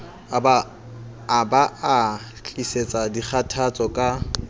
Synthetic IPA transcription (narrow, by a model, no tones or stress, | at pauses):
bː | baʔa | t͡ɬʼiset͡sʼadik͡xʰatʰat͡sʼɔkʼa